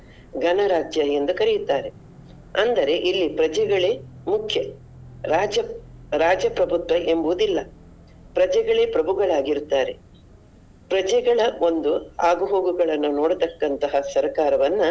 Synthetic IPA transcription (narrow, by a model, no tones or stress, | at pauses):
ɡɐnɐɾaːd͡ʒjɐjend̪ukɐɾejut̪ːaːɾe̞ | ɐnd̪ɐɾe̞ʔilːipɾɐd͡ʒɛɡɐɭe̞ːmukʰjɐ | ɾaːd͡ʒɐɾaːd͡ʒɐpɾɐbʱut̪ʋɐʔe̞mbuud̪ilːɐ | pɾɐd͡ʒɛɡɐɭe̞ːpɾɐbʱuɡɐɭaːɡiɾut̪ːaːɾe̞ | pɾɐd͡ʒɛɡɐɭɐo̞nd̪uaːɡuɦo̞ːɡuɡɐɭɐnːunoːɽut̪ɐkːɐnt̪ɐɦɐsɐɾkaːɾɐʋɐnːɐ